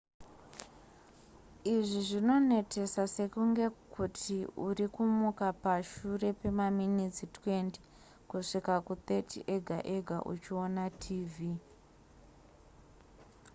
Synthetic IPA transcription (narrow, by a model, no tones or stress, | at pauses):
iʐiʐino̞ne̞tʰe̞sase̞kuŋɡe̞kʰutʰiurikumukapaʃure̞pe̞maminit͡sitwe̞nti | kuʂikakut̪e̞tʰḭʔe̞ɡʱa̰ʔeɡʱa̰ʔṵt͡ʃio̞natʰiːvi